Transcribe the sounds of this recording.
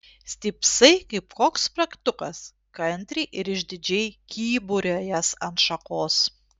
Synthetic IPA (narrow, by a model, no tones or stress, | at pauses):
sʲt̪ʲɪpsɐɪkɐɪpkoːkspɾɐkt̪ʊkɐs | kɐnʲt̪ʲɾʲiʔɪɾɪʒʲd̪ʲɪd͡ʒʲɛjkʲiːbʊɾʲoːjɛsɐnt̪ʃɐkoːs